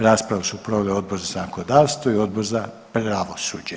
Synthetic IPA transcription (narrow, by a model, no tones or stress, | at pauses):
ɾaːspɾaʋasupɾoʋeleo̞d̪̚bo̞ɾzasanakod̪aːʋst̪ʋoio̞d̪̚boɾza | pɾaʋosuːd͡ʒe